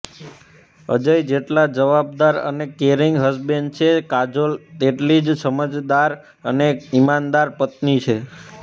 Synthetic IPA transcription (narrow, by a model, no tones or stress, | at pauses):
ə̰d͡ʒəjd͡ʒeʈlad͡ʒəʋab̚d̪aɾə̰nekeɾiŋɡɦəsbent͡ʃʰekad͡ʒolt̪eʈlid͡ʒsəməd͡ʒd̪aɾ | əneimand̪aɾpət̪nit͡ʃʰe